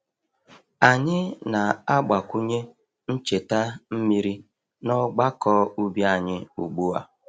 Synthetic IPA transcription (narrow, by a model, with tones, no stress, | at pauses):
a˨ɲɪ˦na˨a˦ɡ͡ba˨kʷu˦ɲe˦ | n̩˦t͡ʃe˨ta˦m̩˦mi˦ɾi˦ | nɔ˦ɡ͡ba˦kɔ˦u˦bja˦˨ɲɪ˦ṵ˨ɡ͡bu˦a̰˦